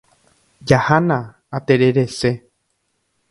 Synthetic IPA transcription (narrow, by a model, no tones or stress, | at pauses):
d͡ʒahanã | at̪eɾeɾese